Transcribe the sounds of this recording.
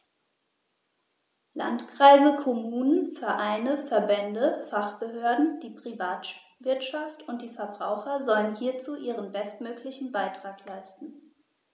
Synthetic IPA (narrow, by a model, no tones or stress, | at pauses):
la̰ntkʁ̥aɪzəkʰɔmuːnənfɛɐʔaɪnəfɛɐbɛndəfaχb̥əɦøːɐdn̩d̥iːpʁ̥ivaːt | v̥ɪɐtʃaftʰʊnt̚d̥iːfɛɐbʁaʊxɐzɔlənhiːɐt͡suːʔiːʁənbɛstmøːklɪçn̩baɪtʁ̥aːklaɪstn̩